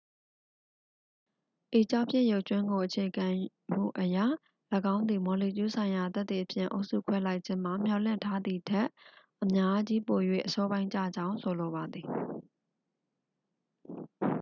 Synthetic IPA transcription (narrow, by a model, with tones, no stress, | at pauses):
ʔe˨t͡ɕa˦pʰjɪ̃˦˨jo˦ʊʔt͡ɕwɪ̃˦ŋɡo˨ʔət͡ɕʰe˨ɡã˨ | m̥ṵ˦˨ʔəja̰˦˨ | ləɡã˦ʊ̃nd̪ði˨mɔ˨li˨t͡ɕu˦sʰã˨ɪ̃ja˨t̪t̪t̪i˨ʔəpʰjɪ̰̃˦˨ʔo˦ʊʔsṵ˦˨kʰwɛ˦la˦ɪʔt͡ɕʰɪ̃˦m̥a˨m̥jɔ˦˨lɪ̰̃˦˨ntʰa˦d̪ði˨tʰɛ˦˨ʔʔəmja˦d͡ʑi˦po˨jwḛ˦˨ʔəsɔ˦bã˦ɪ̃ɲt͡ɕä̰˦˨d͡ʑã˦ʊ̃nsʰo˨lo˨βa˨d̪ði˨